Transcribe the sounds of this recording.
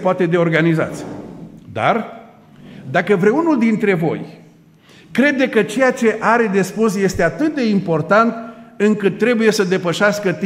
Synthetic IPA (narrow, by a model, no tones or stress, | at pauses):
poat̪e̞d̪e̞o̞rɡaniza̰t̪sʲd̪a̰r | d̪akəvɾeunuld̪int̪ɾe̞vo̞̰j | kɾe̞d̪ekət͡ʃe̞jat͡ʃe̞ʔaɾe̞d̪e̞spus̬je̞st̪e̞at̪ɨt̪̚d̪e̞impo̞rt̪ant̪ɨŋkɨt̪ːɾe̞buje̞səd̪e̞pəʃaskət̪